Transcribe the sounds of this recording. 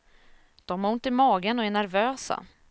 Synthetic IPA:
d̪̥ɔmhaʊnt̪ɪmɑːɡənɔɛɳæɾvøːsa̰

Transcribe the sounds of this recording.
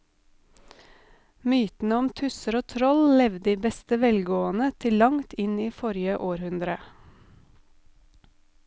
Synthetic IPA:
myːt̪n̩əɔmt̪ʰʉsəɾoːt̪ʰɾɔllɛʋd̪iːbɛst̪əʋɛlɡoːənət̪ʰɪlɑŋt̪ɪniːfɔɾɪjəʔoːɾhʉnd̪ɾə

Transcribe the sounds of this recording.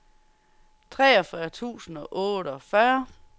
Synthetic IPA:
t͡sʰʁɛːɒfɶɐt͡sʰṵːsn̩ɒ̽ʔɔ̽ːɾəɒ̽fɶɐ

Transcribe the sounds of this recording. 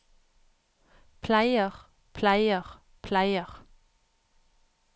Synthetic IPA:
pʰlæɪəʁ | pʰlæɪəʁ | pʰlæɪəʁ

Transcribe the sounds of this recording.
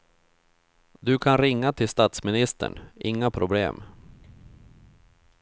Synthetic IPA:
d̪ɵkʰanɾɪŋːat̪ʰɪlst̪at̪smɪnɪst̪ə̰ɳʔɪŋːapʰɾʊblḛːm

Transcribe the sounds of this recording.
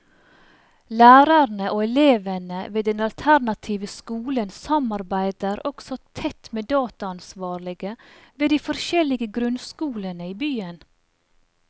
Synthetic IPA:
læːɾəɾnəʔoːɛleːʋənəʋeːd̪ɛnɑlt̪ʰæɾnɑt̪ʰiːʋəskuːlənsɑmɑɾbæɪd̪əɾɔksɔt̪ʰɛt̪meːd̪ɑːt̪ɑɑnsʋɑːɾlɪɡəʋeːd̪iːfɔɾʃɛlɪɡəɡɾʉnskuːlənəiːbyːən

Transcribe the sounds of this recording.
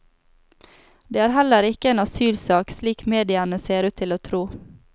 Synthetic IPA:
d̪eːæːɾhæləɾɪkəeːnɑsyːlsɑːksliːkmeːd̪ɪɑnəseːɾʉːt̪ʰːɪloːt̪ʰɾuː

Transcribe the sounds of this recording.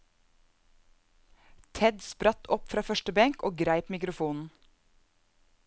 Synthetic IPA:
t̪ʰɛd̪spɾɑt̪ʰɔpfɾɑːfœʃʈəbɛŋkoːɡɾæɪpmɪkɾʊfuːnn̩

